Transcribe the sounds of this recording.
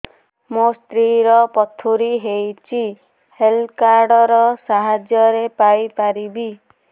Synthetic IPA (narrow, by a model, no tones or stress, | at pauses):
most̪ɾiɾɔpɔt̪ʰuɾiɦejt͡ʃʰi | helkaɾɖɔɾɔsaɦad͡ʒjɔɾepajpaɾibi